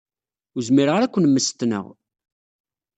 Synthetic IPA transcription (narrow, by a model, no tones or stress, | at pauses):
uzmɪɾʁəɾækʷːənmːəst̪nə̰ʁ